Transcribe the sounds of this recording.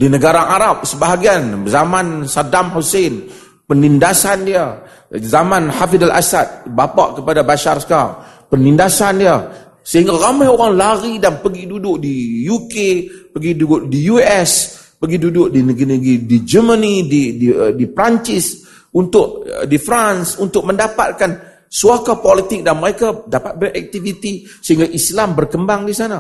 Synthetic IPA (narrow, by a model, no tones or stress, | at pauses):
dinəɡaɾaʔaɾap̚səbaɦaɡianzamansadamhosen | pənindasandia | zamanhafidalʔa̰sat̪̚bapa̰ʔkəpadabaʃarskapənindasandia | səhiŋɡaɾamajoɾaŋlaɾidanpəɡidudʊʔdijukepəɡiduʔdijuɛs | pəɡidudʊʔdinəɡinəɡidid͡ʒəmənidididipɾaɲt͡ʃɪs | unt̪ʊʔ̚difɾansunt̪ʊk̚məndapa̰t̪̚kan | suakapɔlit̪ɪk̚danməɾekadapat̪̚bərʔɛk̚t̪ivit̪i | səɦiŋɡaʔislambərkəmbaŋdisana